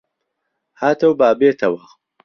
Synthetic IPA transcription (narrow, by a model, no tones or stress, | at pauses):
haːt̪ʰɐwbaːbeːt̪ʰɐwɐ